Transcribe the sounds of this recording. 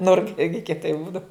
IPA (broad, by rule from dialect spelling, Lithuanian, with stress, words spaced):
ˈnʊrkɐ ˈɪrʲɡʲɪ kʲiɛˈtɐɪ ˈbuːdɐw